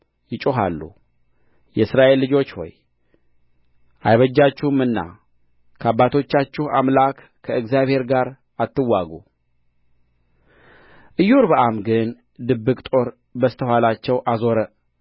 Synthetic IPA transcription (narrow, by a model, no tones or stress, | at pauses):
jɪt͡ʃʼoɦa̰lːṵ | jɛsɾaʔe̞lːɨd͡ʒo̞t͡ʃːwo̰j | ʔajβəd͡ʒːat͡ʃːɪhmɨnːa̰ | kʰəabːat̪ʰo̞t͡ʃːat͡ʃːɪha̰mlakːʰəɨɡzjaβhe̞ɾɡaɾ | at̪ːɨwːaɡu | ʔɨjːuɾbəʔamɡɨn | d̪ɨbːɨkʼt̪ʼo̞ɾ | bəst̪ʰəɦwalat͡ʃːɛwʔazo̞ɾə